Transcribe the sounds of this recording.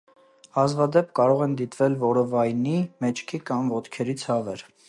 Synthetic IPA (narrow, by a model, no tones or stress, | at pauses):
ɑzvɑd̪ɛp̚kɑɾɔʁɛnd̪it̪vɛlvɔɾəvɑjnimɛt͡ʃʰkʰikɑmvɔt̪kʰɛɾit͡sʰhɑvɛɾ